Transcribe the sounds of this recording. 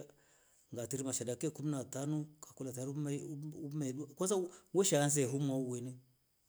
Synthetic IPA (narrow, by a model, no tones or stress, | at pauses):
ŋɡatiɾimaʃadakekumnatanukḁkulataɾmumeɗuakos̬aweʃaans̬eɦumauwene